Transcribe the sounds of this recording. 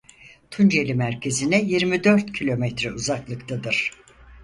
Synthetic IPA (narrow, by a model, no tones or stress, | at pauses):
t̪ʰund͡ʒe̞lʲimæɾcʰe̞zinɛjiɾmid̪ø̞ɾt̪cʰilʲo̞mɛt̪ɾɛuzaklˠɯkt̪ʰad̪ɯɾ̥